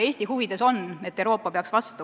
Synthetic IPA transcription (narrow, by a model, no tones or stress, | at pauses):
e̞ːsʲt̪ihuvid̪̥e̞so̞net̪ːˑewɾo̞ːpːˑɑpeɑksvɑst̪u